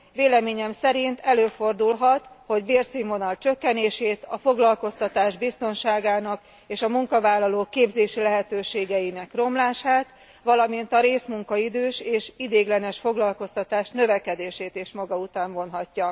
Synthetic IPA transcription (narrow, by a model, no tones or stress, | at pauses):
veːlɛmeːɲɛmsɛɾint̪ʰɛløːfo̞rd̪ulɦɒt̪ho̞ɟbeːrsimːo̞nɒlt͡ʃø̞kːɛneːʃeːt̪ɒfo̞ɡlɒlko̞st̪ɒt̪aːʒbist̪o̞nʃaːɡaːnɒk | eːʃɒmuŋkɒvaːlːɒloːkeːbzeːʃilɛɦɛt̪øːʃeːɡɛjinɛkro̞mlaːʃaːt̪ | ʋɒlɒmint̪ɒɾeːsmuŋkɒid̪øːʃeːʃid̪eːɡlɛnɛʃfo̞ɡlɒlko̞st̪ɒt̪aːʃnø̞vɛkɛd̪eːʃeːt̪eːʃmɒɡɒut̪aːɱvo̞nɦɒcːɒ